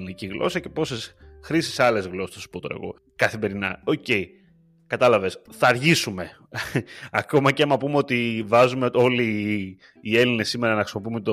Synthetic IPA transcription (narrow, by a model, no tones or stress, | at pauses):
niciɣlʔo̞̰sɐce̞po̞sesxɾisi̥sɐle̞zɣlo̞sest̪osu̥pot̪oɾḛɣo̞̰ | kɐθime̞ɾinɐ̰o̞ce̞i | kɐt̪ɐlɐvesθɐːɾʝisume̞ | ɐko̞mɐceɐmɐpumeo̞t̪ivɐzumeo̞liː | e̞line̞sːime̞ɾɐnɐxɾisimop̬iumet̪o